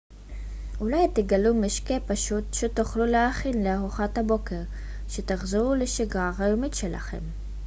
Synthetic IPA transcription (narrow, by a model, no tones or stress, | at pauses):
ʔulajt̪eɡalumeʃkepaʃut̪ʃet̪uχluleaχinleaʁuχat̪habo̞ke̞ʁ | ʃet̪aχzeʁuleʃiɡaʁajomitʃe̞lʔa̰χe̞̰m